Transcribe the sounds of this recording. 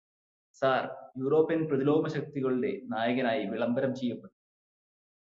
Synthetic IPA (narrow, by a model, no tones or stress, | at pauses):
saːrjuːro̞ːpːinprɐðilo̞ːɡmɐɕɐk̚t̪iɣɐɭuɽe̞naːjɐɣɐnaːjiʋiɭɐmbɐɾɐmt͡ɕejːɐpːɐʈː